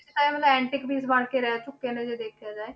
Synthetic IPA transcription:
seʈaːimət̪əɛ̃ːɳʈɪkbiːsbaɳkeːɾɛːat͡ʃʊkːeːnẽd͡ʒeːd̪eːkʰjaːd͡ʒaːeː

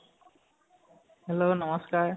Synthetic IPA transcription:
hɛloːnɐmɔskaɹ

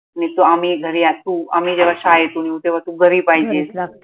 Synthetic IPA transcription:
ɐnit̪uamiɡʱəɾiat̪uamid͡ʒeʋaʃajet̪unijũt̪eʋ̤at̪uɡʱəɾibaid͡ʒeːs

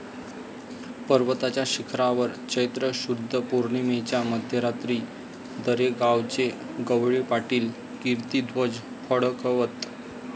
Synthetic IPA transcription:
pəɾʋət̪at͡ɕjaɕikʰɾaʋəɾt͡ɕəjt̪ɾəɕud̪ʱːəpoɾɳimet͡ɕjaməd̪ʱjəɾat̪ɾiː | d̪əɾeɡaʋt͡se | ɡəʋɭepaʈiːl | kiɾt̪iːd̪ʱʋəd͡z | pʰəɽəkəʋət̪

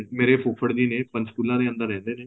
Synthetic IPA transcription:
meːɾeːpʰoːpʰəɽd̪iːneːpə̃ɲskuːlãːd̪eːə̃nd̪əɾːɛ̃ːnd̪eːneː

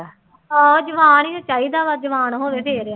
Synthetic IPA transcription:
ɔːd͡ʒəʋaːniõːt͡ʃaːiːd̪aːʋad͡ʒəʋaːnɦoːʋeːt̪ʰeːɾeaː

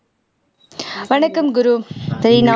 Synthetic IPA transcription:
ʋɐɳɐkːɐmɡʊɾut̪ɐɾinaː

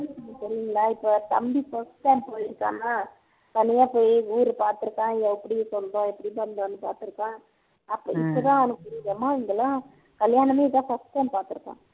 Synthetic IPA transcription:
nkːɐnsɐɾɪjɪŋɡɐɭaːɪpːot̪ɐmbifɐsʈʈɐɪmpoːjɪɾɯkːã̰ːnaː | t̪ɐnɪjaːpoːjiuːɾɯpaːɾt̪ɯɾɯkːãːɐɛpːɐɽɪjesɔlːɾõːɛpːɐɽipɐnd̪ɐnːɯpaːɾt̪ɪɾɯkːãː | ɐpːoːɪpːɐt̪ãːɐnɯkːʊɾɪɡɐmaːɪŋɡɐlãː | kɐljaːnɐmeːt̪ãːfɐsʈʈɐɪmpaːɾt̪ɪɾɯkːã̰ː

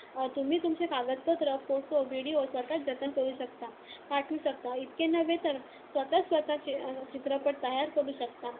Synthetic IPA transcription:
t̪um̤iːt̪umt͡ɕekaʋət̪ʋət̪ɾəkpoʈt̪obiɽiosʋəɾk̪ad͡zət̪ənkəɾuːɕəkt̪a | kaʈʰuːɕək̚t̪ait̪̚kenəʋet̪əɾ | sʋət̪əsʋət̪at͡ɕt͡ɕit̪ɾəpəʈ̚t̪əɦjaɾkəɾuːɕək̚t̪a

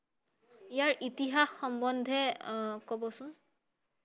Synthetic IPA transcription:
ijaɹʔitiɦaxːɔmbɔndʱɛkobɔsʊ̃

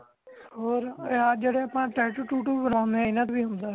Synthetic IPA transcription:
hoːɾaːd͡ʒeːɽeːəpãːʈɛːʈːʈuːʈuːbənãːnd̪eɦɛ̃ːɪnãːt̪biːɦʊ̃nd̪aː

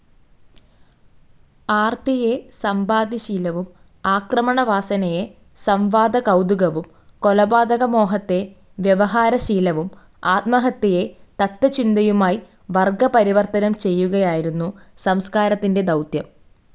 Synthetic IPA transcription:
aːrt̪ijesɐmbaːd̪iɕiːlɐʋum | aːkrɐmɐɳɐʋaːsɐnɐje | sɐmʋaːd̪ɐkɐwd̪uɣɐʋum | kolɐbaːd̪ɐɣɐmo̞ːɦɐt̪ːe̞ | ʋjeʋɐɦaːɾɐɕiːlɐʋum | aːt̪̚mɐɦɐt̪ːije̞t̪ɐt̪ːɐt͡ɕind̪ɐjumaːji | ʋɐrɡɐpɐɾiʋɐrt̪ɐnɐmt͡ɕe̞jːuɣɐjaːjiɾunːusɐmskaːɾɐt̪ːinde̞d̪ɐwt̪jɐm

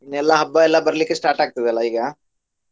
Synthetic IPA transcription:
inːɛlːɐɦɐbːɐɛlːɐbɐɾɐlikːesʈaːɾʈaːɡ̚t̪id̪eɐlːɐiːɡɐ

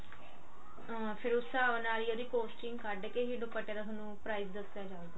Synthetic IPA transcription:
pʰɪɾʊsaːʋənaːɾiːad̪iːpoːsʈɪŋɡkaɾɖkeɦiɖʊkːəʈeːɾasənũːpɾaːizd̪əsjaːd͡ʒaːoɡ̪a

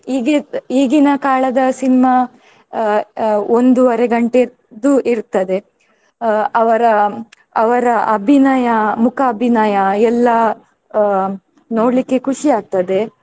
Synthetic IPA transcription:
iɡiːɡinɐkaːɭɐd̪ɐsinimaː | o̞nd̪uʋɐɾeɡɐɳʈe | d̪uʔiɾt̪ːɐd̪e̞ | ɐʋɐɾɐː | ʋɐɾɐʔɐbʱinaːjɐmukʰɐːbʱinaːjɐɛlːɐ | noːɽlikːe̞kuʂiaːɡ̚t̪ɐd̪e̞

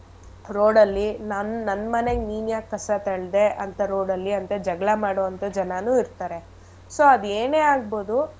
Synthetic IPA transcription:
ɾo̞ːɽɐlːinɐnnɐnːmɐne̞ɡniːnjaːkːɐsɐt̪ɐɭd̪e̞ʔɐnt̪ɐɾo̞ːɽɐlːiɐnt̪ɐd͡ʒɐɡɭɐmaːɽoːɐnt̪ʰɐd͡ʒɐnɐnuːiɾt̪aːɾe̞ | soːɐd̪eːneːaːɡ̚boːd̪u

